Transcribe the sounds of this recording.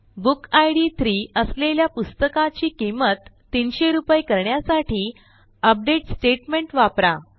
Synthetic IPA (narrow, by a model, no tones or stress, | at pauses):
bukajɽit̪ʰɾiːəsleljapust̪əkãt͡ɕiːkimət̪ːinɕeɾupjkəɾɳjasaʈiː | əp̚ɖeʈsʈeʈmeɳʈʋapɾa